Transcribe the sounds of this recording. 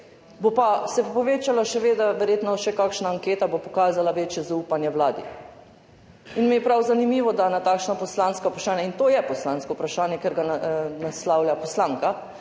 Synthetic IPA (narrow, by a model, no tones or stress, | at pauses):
bopasɛpoʋeːt͡ʃalaʃɛʋeːd̪aʋɛɾjeːt̪nɔʃɛkakʃnaːŋkeːt̪abopɔkaːzalaʋeːt͡ʃjɛzauːpanjɛwlaːd̪ḭ | inmɛjɛpɾawzanimiːʋɔd̪anat̪aːkʃnɔpɔslaːnskaupɾaʃaːnjɛint̪oːjɛpɔslaːnskɔupɾaʃaːnjɛkeɾɡanaslaːwljapɔslaːŋka